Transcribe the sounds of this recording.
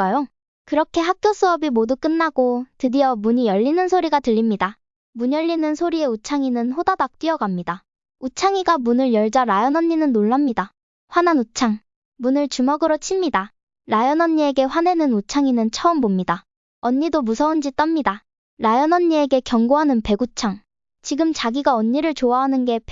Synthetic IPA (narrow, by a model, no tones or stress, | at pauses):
ajo | kɯɾʌkʰe̞ɦak̚k͈jos͈ɯʌbimoduk͈ɯnːaɡ̥otɯdijʌmuɲijʌʎːinɯnsʰoɾiɡatɯʎːimɲida | muɲʌʎːinɯnsʰoɾie̞ut͡ɕʰaŋinɯnɸodadak̚t͈ɥiʌɡamɲida | ut͡ɕʰaŋiɡamunɯɭjʌɭd͡ʑaɾajʌnʌɲːinɯnːoɭːamɲida | ɸwananut͡ɕʰaŋ | munɯɭt͡ɕumʌɡɯɾot͡ɕʰimɲida | ɾajʌnʌɲːie̞ɡe̞ɸwane̞nɯnut͡ɕʰaŋinɯnt͡ɕʰʌɯmbomɲida | ʌɲːidomusʰʌund͡ʑit͈ʌmɲida | ɾajʌnʌɲːie̞ɡe̞kjʌŋɡoɦanɯnpe̞ɡut͡ɕʰaŋ | t͡ɕiɡɯmt͡ɕaɡiɡaʌɲːiɾɯɭt͡ɕoaɦanɯnɡe̞p